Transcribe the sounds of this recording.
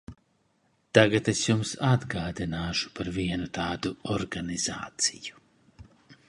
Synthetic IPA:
t̪aɡat̪esjumsad̪ɡaːd̪inaːʃu̥paɾviɛnut̪aːd̪uɔɾɡaniza̰ːt̪siju̥

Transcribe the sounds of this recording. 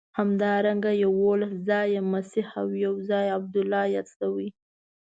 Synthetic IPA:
hamd̪ɑɾaŋɡajawolaszɑjemasihawjawzɑjab̚d̪ʊlːɑjɑt͡st̪awi

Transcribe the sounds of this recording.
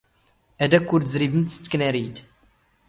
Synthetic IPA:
æd̪ækːuɾt̪zɾivənt̪st͡sːə̥kːnæɾit̪

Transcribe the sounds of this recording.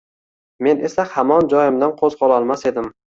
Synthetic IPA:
me̞ne̞sahamɒnd͡ʒɒjɪmd̪anqʰozqʰɒlˠɒlˠmase̞d̪ɪm

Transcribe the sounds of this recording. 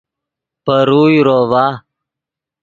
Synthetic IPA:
pəɾuːjɾoːvaː

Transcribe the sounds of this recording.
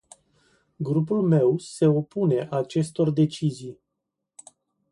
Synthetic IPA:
ɡɾup̬ulme̞wse̞o̞pune̞ʔat͡ʃe̞st̪o̞rd̪e̞t͡ʃizij

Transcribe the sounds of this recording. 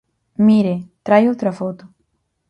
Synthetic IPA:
miɾet̪ɾajowt̪ɾafot̪ʊ̥

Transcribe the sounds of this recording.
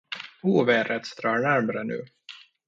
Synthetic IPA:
uːveːɾɛt̪st̪ɾɑːɳæɾmaɾənʉ̟̰ː

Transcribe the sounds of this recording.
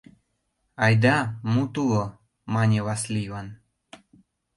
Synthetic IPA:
ɑjd̪amut̪ulˠo | mɑnʲevaslʲivan

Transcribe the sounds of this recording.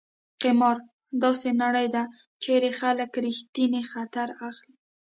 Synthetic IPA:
qɪmɑɾ | d̪ɑsenaɽəjd̪a | t͡ʃeɾexaləkɾixt̪inexat̪aɾaxli

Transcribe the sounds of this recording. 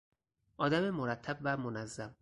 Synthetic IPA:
ʔɒːd̪æmemoɾæt̪ʰːæbvæmonæzːæm

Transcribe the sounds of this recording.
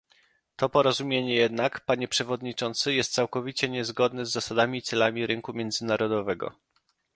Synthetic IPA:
t̪ɔpɔɾɔzumʲjeɲɛjɛd̪nakpaɲɛpʂɛvɔd̪ɲit͡ʂɔnt̪sɘjɛst̪̚sawkɔvʲit͡ɕɛɲɛzɡɔd̪nɛzːasad̪amʲit̪sɛlamʲiɾɘŋkumʲjɛnd̪zɘnaɾɔd̪ɔvɛɡɔ̰

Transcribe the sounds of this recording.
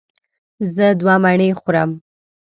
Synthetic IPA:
zəd̪wɑmaɳəjxʊɾam

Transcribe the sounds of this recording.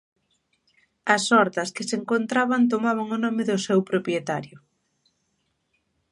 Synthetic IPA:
ɐsɔɾt̪ɐskɪseŋkont̪ɾaβant̪̬omaβaŋonɔmɪðʊsɛwpɾopɾjet̪aɾjʊ

